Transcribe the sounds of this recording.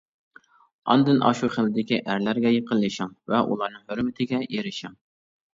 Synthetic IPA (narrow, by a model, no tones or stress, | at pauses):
ɑ̰nd̪ɨnʔɑ̰ʃuχəlːɪd̪ɪkʲiʔæɾlæɾɡʲɛjəqəlˠːɨʃɑŋvɛʔṵlˠɑɾnɨŋhɵɾmɪt̪ʰɪɡʲɛjeɾɪʃɑŋ